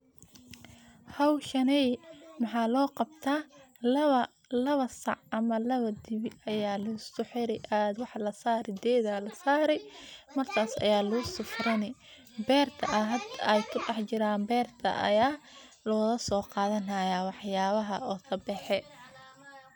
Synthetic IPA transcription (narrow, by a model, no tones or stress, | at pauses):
hɐwʃɐnɛjmɑħɑːlɔːqɑbt̪ʰaː | lɐɐ | lɐβɐsɑ̰ʕʔɐmɐlɐβɐd̪ɪβɪɐjaːlʊsʊħɪɾɪʔaːd̪wɑħlɐsaːɾɪd̪ɛːðalɐsaːɾɛjmɐrkʰaːsɐ̰jaːlʊʊsʊfɾɐnɪ | bɛːrt̪ʰɐʔɐɦɐd̪ʔɛjkʰʊɖɛħt͡ʃɪɾaːmbɛːrt̪ʰɐ̰ʔɐ̰jaː | lɔːɣɐsɔːqɑːðɐnɐjawɑħjaːβɐɦɐɔːt̪ʰɐbɛħɛ